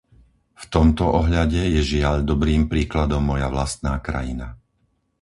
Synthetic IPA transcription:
ft̪ɔmt̪ɔʔɔɦʎaɟɛjɛʒɪaʎd̪ɔbɾiːmpɾiːklad̪ɔmːɔjaʋlast̪̚naːkɾa̰jina

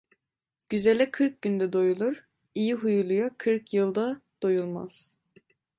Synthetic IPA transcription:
ɟ̥yzɛlʲɛkʰɯɾk̚ɟynd̪ɛd̪o̞julˠuɾ̥ | ijiɦujulˠujakʰɯɾkʰjɯlˠd̪ad̪̥ojulˠma̰z̥

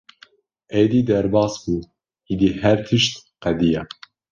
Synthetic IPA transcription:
ʔɛjd̪iːd̪ɛɾbɑːsbuː | id̪iːhɛɾt̪ʰɨʃt̪qɛd̪ijɛ

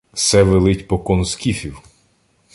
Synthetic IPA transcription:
sɛʋelˠɪtʲpɔkɔnʊskʲifʲiw

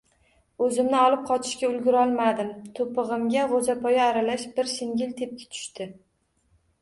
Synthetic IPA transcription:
ɵzɪmnɪɒlˠɪp̚qʰɒt͡ʃʰɪ̥ʃkʲaʊlɡʲʊɾɒlˠmad̪ɪmt̪ʰopɨʁɨmɡʲaʁozapʰɒjaːɾalaʃbɪɾsɪŋɡʲɪlt̪ʰep̚kʲḁt̪ʰʊ̥ʃt̪ɪ

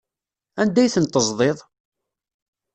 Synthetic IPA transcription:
ænd̪æjθənt̪ːəzˤðˤeðˤ

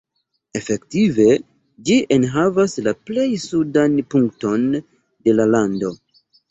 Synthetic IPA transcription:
e̞fe̞ktive̞ | d͡ʒiʔenɦavaslaple̞jsudanpuŋk̚to̞n | de̞lalando̞

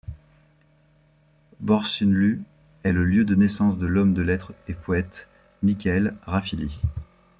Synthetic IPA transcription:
bɔʁsynly | ɛləljød̪ənɛsɑ̃sd̪əlɔmd̪əlɛt̪χepʰɔɛt̪ | mikʲɛlʁafili

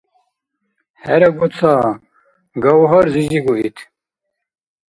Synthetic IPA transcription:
hɛɾɐɡut͡sʰaː | ɡɐwɦɔɾziziɡuʔit̪ʰ

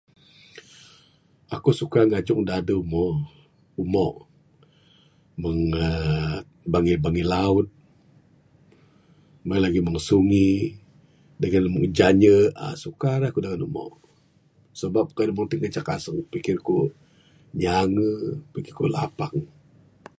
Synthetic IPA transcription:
akusukaŋad͡ʒʊŋdadəumɔ | umɔ̰ʔ | məŋə | baŋibaŋilaʊt̪̚ | malaɡiməŋsuŋi | dəɡanməŋd͡ʒaɲəa̰sukaɾaakudaŋanumɔ̰ʔ | səbap̚kadumɔŋt̪iŋət͡ʃakasəŋpikɪrku | ɲaŋəpikɪrkulapaŋ

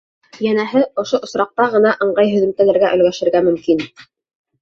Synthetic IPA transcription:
jænæɦɘŏʃoʔŏsɾɑq̚t̪ɑʁɤ̆nɑʔɤ̆ɴɢɑjɦɵ̆ðɘ̆mt̪ænɘ̆ɾɡæʔɵ̆lɡæʃɘ̆ɾɡæmɵ̆mkin

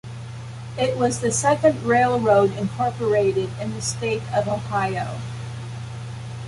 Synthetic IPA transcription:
ɪʔ̚wʌzðɨsɛkɨ̃ndɹeɪlˠɹoʊɾɨ̃nkʰɔɹpə˞eɪɾɪɾɨ̃nðɨsteɪɾʌv̥oʊhaɪoʊ

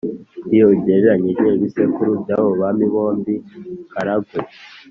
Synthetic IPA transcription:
ijobɟeːɾeɾaɲeʒeiβisekuɾubjaːβoβamiβo̞ːmbikaɾaɡwe

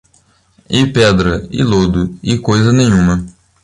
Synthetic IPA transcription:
ɪpɛd̪ɾɐɪ̰lod̪ʊɪkojzɐnẽj̃ũmɐ

